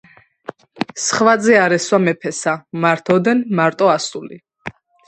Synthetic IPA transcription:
sχwad̪zɛaɾɛswamɛpʰɛsamaɾt̪ʰɔd̪ɛnmaɾt̪ʼɔasuli

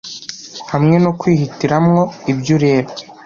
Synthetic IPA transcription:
hamŋe̞no̞kwiːhitiɾamŋo̞ibɟuɾe̞ːɾo

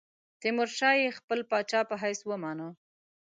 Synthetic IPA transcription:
t̪ɪmʊɾʃɑjexpəlpɑt͡ʃɑpəɦajswəmɑnə

